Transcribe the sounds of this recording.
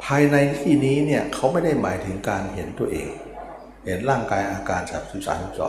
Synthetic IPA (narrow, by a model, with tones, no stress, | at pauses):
pʰaː˧jna˧jt̪ʰiː˥˩niː˦˥ni˥˩ɐkʰa˦˥wma˥˩jda˥˩jma̰ː˩˦jt̪ʰɯ˩˦ŋkaː˧nɦe˩˦nt̪u˧ɐʔḛː˧ŋ | he˩˦nɾaː˥˩ŋkaː˧jʔaː˧kaː˧nt͡ɕaː˨˩k̚sɯ˨˩˦saː˨˩˦nu˨˩k̚sɔ̰ː˨˩